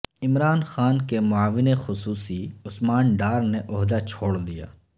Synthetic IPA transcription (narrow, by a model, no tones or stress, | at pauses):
ɪmɾaːnxaːnkemʊaːʋɪnexʊsuːsiʊsmaːnɖaːɾneʔʊɦd̪at͡ʃʰoːɽd̪ija̰ː